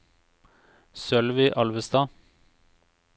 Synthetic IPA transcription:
sœlʋiːʔɑlʋəst̪ɑː

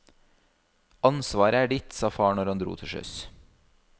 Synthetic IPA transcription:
ɑnsʋɑːɾəæːɖɪt̪sɑːfɑːɳɔɾhɑnd̪ɾṵːt̪ʰɪʃœ̰s

